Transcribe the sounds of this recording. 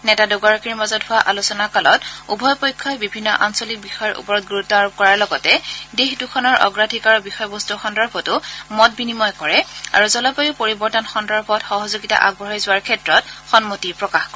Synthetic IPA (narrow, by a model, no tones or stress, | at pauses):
nɛtadʊɡaɹɔkiɹmazɔtɦʊwaʔalusɔnakalɔ̰tṵbʱɔjpɔjkʰːɔjbibʱinːɔ̰ʔansɔlik̚bixɔjɔɹʔṵpɔɹɔt̚ɡuɹutːɔaɹɔb̚kɔɹaɹlɔɡɔtɛdexdukʰɔnɔɹʔɔ̰ɡɹadʱikaɹɔbixɔjbɔstuxɔndaɹbʱɔtʊmɔt̚binimɔjkɔɹɛa̰ɹuzɔlapajʊpoɹibɔɹtɔnxɔndaɹbɔtxɔɦɔzoɡita̰ʔa̰ɡ̚bʱɔɹɔjzʊwaɹkʰɛtɹɔtxɔnmotipɹɔkaxkɔɹ